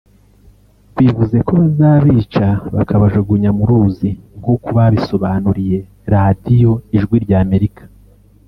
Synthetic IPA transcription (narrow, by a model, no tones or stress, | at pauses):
βiβuze̞ko̞βazaːβiːt͡ʃaβa̰kʰaβaʒeɡuɲamuɾuziŋɡo̞kuβaβiso̞βanuɾije̞ | ɾadijo̞iʒɡwiɾɟaːme̞ɾikḁ